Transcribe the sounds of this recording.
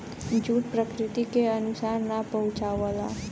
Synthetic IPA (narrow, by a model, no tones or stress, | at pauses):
d͡ʒuʈ̪̚pɾəkɾit̪ikeənusaɾnapəɦut͡ʃawəla̰